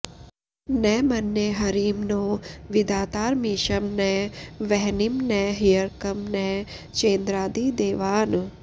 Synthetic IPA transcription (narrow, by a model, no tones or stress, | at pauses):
nɛːmɐnːeɦɐɾiːmnoːʋid̪aːt̪aːɾmiːʃɐmnɛʋɛɦnimnɛɦijəɾkɐmnɛt͡ʃẽːnd̪ɾaːd̪iːd̪eːʋaːn